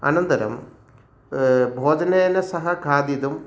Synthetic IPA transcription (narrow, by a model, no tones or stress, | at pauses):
ɐ̰nɐnd̪ɐɾɐ̰m | bʱoːd͡ʑɐneːnɐsɐɦɐkʰaːd̪id̪um